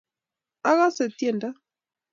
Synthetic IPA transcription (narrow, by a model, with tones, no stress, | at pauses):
a˦ɣa˦se˨tje˨nda˦